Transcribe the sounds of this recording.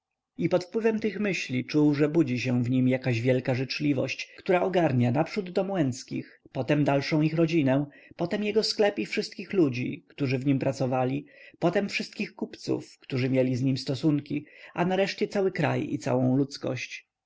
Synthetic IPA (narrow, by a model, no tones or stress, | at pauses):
ipɔt̪fpwɘvɛmt̪ɘxmɘɕlʲit͡ʂuwʐɛbud͡ʑiɕ̬ɛ̃w̃vɲimjakaʑvʲjɛlkaʐɘt͡ʂlʲivɔ̰ɕt͡ɕkt̪uɾaɔɡaɾɲanapʂud̪ːɔmwɛ̃nskʲḭx | pɔt̪ɛmd̪alʂɔ̃w̃ixɾɔd͡ʑinɛ̃ | pɔt̪ɛmjɛɡɔsklɛpifʂɘst̪̚kʲixlud͡ʑḭkt̪uʐɘvɲimpɾat̪sɔvalʲipɔt̪ɛmfʂɘst̪kʲixkupt̪sṵfkt̪uʐɘmʲjɛlʲizɲimst̪ɔsuŋkʲiʔanaɾɛʂt͡ɕɛt̪sawɘkɾa̰jḭt̪sa̰wɔ̃w̃lut̪skɔ̰ɕt͡ɕ